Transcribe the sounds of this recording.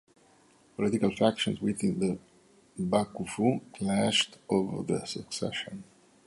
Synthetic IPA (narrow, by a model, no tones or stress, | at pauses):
pɔlit̪ikalfækʃɔ̃nswiθĩnd̪ə | bakufukʰlæʃtovə̰˞ðə̰səksɛ̰ʃə̃n